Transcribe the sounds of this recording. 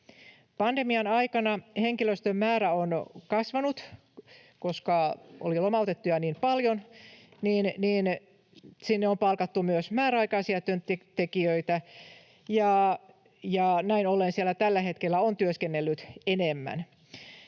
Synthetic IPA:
pɑndemiɑnɑikɑnɑheŋkiløst̪ømːæːɾæonkɑsʋɑnut̪ | koskɑʔo̰lilomɑut̪et̪ːujɑniːmpɑljonniːnniːn | sinːeompɑlkɑt̪ːumyøsmæːɾɑikɑisiɑt̪ønt̪t̪ekiøit̪æ | jɑ | jɑnæinolːensielːæt̪ælːæhe̞t̪kelːæont̪yøskenːelːyt̪enemːæ̰n

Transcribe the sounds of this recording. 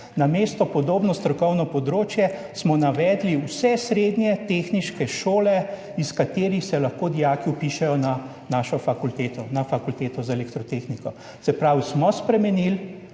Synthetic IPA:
nameːst̪ɔpɔd̪oːbnɔst̪ɾɔkɔwnɔpɔd̪ɾoːt͡ʃjɛ | smɔnaʋɛːd̪liwsɛsɾed̪nʲjɛt̪exniʃkɛʃoːlɛ | iskat̪eːɾixsɛlɐxkoːd̪ijaːkiupiʃɛjɔna | naːʃɔfakult̪eːt̪ɔnafakult̪eːt̪ɔzaɛlɛkt̪ɾɔt̪eːxnikɔ | tsɛpɾaːwsmɔspɾɛmɛnil

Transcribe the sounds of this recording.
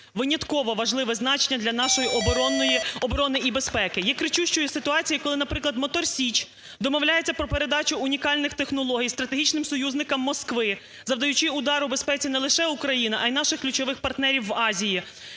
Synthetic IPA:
ʋɪnʲɐt̪kɔʋɔʋɐʒlˠɪʋɛznɑt͡ʃenʲːɐd̪lʲɐnɑʃɔjiʔɔbɔɾɔnɔjiɔbɔɾɔnɪʔibespɛkɪjɛkɾɪt͡ʃuʃt͡ʃɔjʊsɪt̪ʊɑt͡sʲijikɔlˠɪnɐpɾɪklˠɐd̪mɔt̪ɔrsʲit͡ʃ | d̪ɔmɔwlʲajet͡sʲːɐpɾɔpe̞ɾed̪ɑt͡ʃʊʊnʲikɑlʲnɪxt̪exnɔlˠɔɦʲijst̪ɾɐt̪eɦʲit͡ʃnɪmsɔjuzʲnɪkɐmːɔskʋɪ | zɐwd̪ɐjʊt͡ʃɪʊd̪ɑɾbespɛt͡sʲinɛlˠɪʃɛukɾɐjinɪʔɐjnɑʃɪxklʲʉt͡ʃɔʋɪxpɐrt̪nɛɾʲiwːɑzʲiji

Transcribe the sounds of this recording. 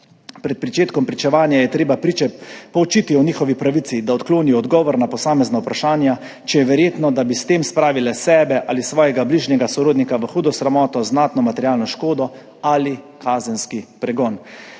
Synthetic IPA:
pɾɛt̪̚pɾit͡ʃeːt̪kɔmpɾit͡ʃɛʋaːnjajɛt̪ɾeːbapɾit͡ʃɛpɔwt͡ʃit̪iɔniːxɔʋipɾaʋit̪sid̪aɔt̪kloːniɔɔd̪ɡɔːʋɔɾnapɔsaːmɛznaupɾaʃaːnja | t͡ʃɛjɛʋɛɾjeːt̪nɔd̪abist̪eːmspɾaːʋilɛsɛːbɛʔaːlisʋɔːjɛɡabliːʒnɛɡasɔɾoːd̪nikaʋəxuːd̪ɔsɾɛmɔːt̪ɔznaːt̪nɔmat̪ɛɾjaːlnɔʃkoːd̪ɔ | ali | kʰaːzɛnskipɾɛɡɔːn

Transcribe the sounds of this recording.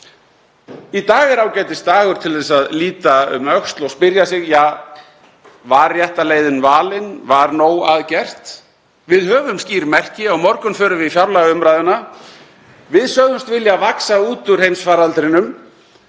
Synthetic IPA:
it̪aːɣɪɾawcɛːjt̪ɪst̪aːɣʏɾ̥t̪ʰɪlðɛsaðliːt̪aʏ̰mœxst̪lɔɣspɪɾjasɪɣja | vaɾjɛht̪alejðɪnvaːlɪnvaɾnoːwaðcɛr̥t̪ | vɪðhœːvʏmsciːɾmɛr̥cɪawmɔɾkʏnfœːɾʏvɪfjawɾlaɣʏmɾajðʏna | vɪðsœɣðʏmst̪vɪljavaksauːt̪ʏɾ̥hejmsfaɾalt̪ɾɪnʏm

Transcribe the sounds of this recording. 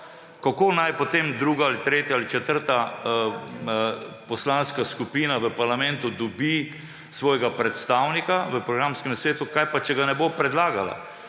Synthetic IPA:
kakoːnajpot̪emd̪ɾuːɡaalit̪ɾeːt̪jaalit͡ʃɛt̪əɾt̪a | pɔslanskaskupiːnaʋəpaɾlamɛ̃nt̪ud̪ɔbi | sʋɔːjɛɡapɾɛt̪st̪aːwnikaʋəpɾɔɡɾamskɛmsʋeːt̪ukajpat͡ʃɛɡanɛbopɾɛd̪laːɡala̰

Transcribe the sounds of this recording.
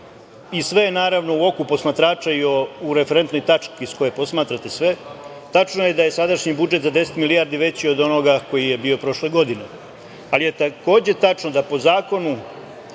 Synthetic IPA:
isʋe̞enaːɾaʋno̞uo̞kupo̞smat̪ɾaːt͡ʃaiouɾefeɾe̞nt̪no̞jt̪at͡ʂkisko̞jepo̞smaːt̪ɾat̪e̞sʋe̞ | t̪at͡ʃnoje̞d̪aje̞sad̪aʃɲibud͡ʒet̪zad̪e̞set̪milijaɾd̪iʋe̞t͡ɕio̞d̪o̞noɡako̞jije̞bio̞pɾo̞ʃle̞ɡo̞d̪ine | alije̞t̪ako̞ːd͡ʑe̞t̪at͡ʂnod̪apo̞zaːko̞nu

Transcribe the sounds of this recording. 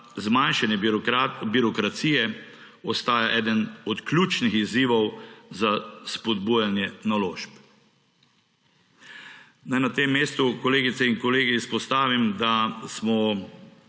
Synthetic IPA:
zmanʃanjɛbiɾɔkɾat̪siːjɛ | ɔst̪aːjaʔɛːd̪ənɔt̪klʲuːt͡ʃnixiziːʋɔwzaspɔd̪buːjanjɛnaloːʃp | najnat̪eːmːeːst̪ukɔleːɡit̪sɛinkɔleːɡiːspɔst̪aːʋimd̪asmɔ

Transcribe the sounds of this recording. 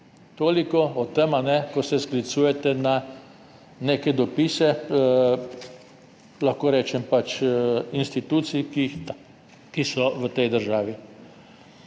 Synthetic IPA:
t̪oːlikɔɔt̪ɛmanɛkɔsɛsklit̪suːjɛt̪ɛna | neːkɛd̪ɔpiːsɛ | laxkoːɾɛːt͡ʃɛmpat͡ʃinst̪it̪uːt̪si | kisɔʋət̪ɛjd̪əɾʒaːʋi

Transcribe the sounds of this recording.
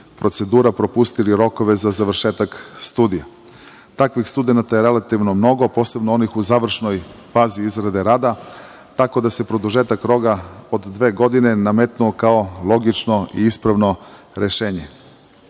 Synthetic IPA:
pɾo̞t̪se̞d̪uːɾapɾo̞pust̪iliɾo̞ko̞ʋe̞zazaʋr̩ʃeːt̪akst̪uːd̪ija | t̪akʋixst̪ud̪e̞nat̪ajeɾe̞lat̪iʋnomno̞ɡo̞po̞ːse̞bnoonixuzaːʋr̩ʃno̞jfaːziizɾad̪e̞ɾaːd̪a | t̪ako̞d̪ase̞pɾo̞d̪uʒe̞ːt̪akɾo̞ɡaod̪ːʋe̞ːɡo̞d̪ine̞namet̪nuokao̞lˠo̞ɡit͡ʃno̞ḭispɾaʋno̞ | ɾe̞ʃe̞ːɲe̞

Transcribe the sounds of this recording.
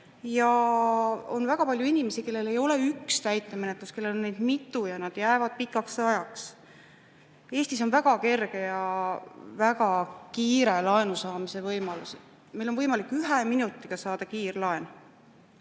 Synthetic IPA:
jɑ | o̞nvæɡ̥ɑpɑlʲjuinʲime̞sike̞lːe̞le̞jo̞le̞ykst̪æjt̪ːˑeme̞net̪ˑluske̞lːe̞lonːe̞jd̪̥mit̪ːˑujɑnɑd̪̥jæevɑd̪̥̚pikːˑɑksɑjɑks | e̞ːst̪iso̞nvæɡ̥ɑke̞rɡ̥e̞jɑ | væɡ̥ɑkiːɾe̞lɑenusɑːmise̞vɤjmɑlusi | mejlo̞nvɤjmɑlikːyɦeminut̪ːˑiɡ̥ɑsɑːd̪̥ɑkiːrlɑe̞n

